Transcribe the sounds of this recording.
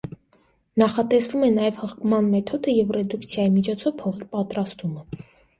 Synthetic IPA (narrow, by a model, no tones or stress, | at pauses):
nɑχɑt̪ɛsvumɛnɑjɛvhəχkʰmɑnmɛt̪ʰɔd̪əjɛvrɛd̪ukt͡sʰjɑjimit͡ʃʰɔt͡sʰɔv̥pʰɔʁipɑt̪ɾɑst̪umə